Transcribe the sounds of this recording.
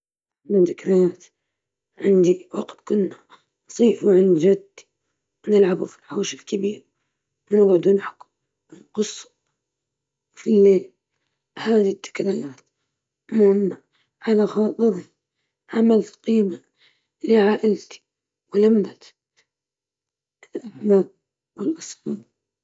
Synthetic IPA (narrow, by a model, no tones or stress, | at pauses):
nat̪ɪkɾajaːt̪ | ʕɪnd̪iwɑqt̪kʊnːa | nsˤiːfuʕɪnd͡ʒad̪ːi̥ | wnɪlʕabufi̥lħaːʃɪlkabiːɾ | wɪnaɡʕd̪uːnħʊ̥k | nqʊsˤːu̥ | filːeːl | haːðit̪ːɪ̥kɾajaːt̪ | mʊnːa | ʕalaxɑːt̪ˤɨɾi | ʕamalɪlqiːma | liʕaːʔɪlt̪i̥ | wɪlamd̪at̪ | ɪlʔaħmaːʔ | wɪlʔɑsˤfɑːɾ